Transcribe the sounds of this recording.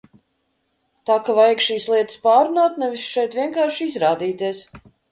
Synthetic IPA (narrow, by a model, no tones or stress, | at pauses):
t̪aːkavajakʃiːslˠiɛt̪ɨ̥spaːɾunaːt̪nɛvisʃɛjt̪vʲiɛŋkaːɾʃizɾaːd̪iːt̪iɛs